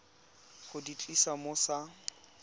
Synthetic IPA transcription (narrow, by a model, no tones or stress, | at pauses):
χʊdit͡ɬʼisamʊsa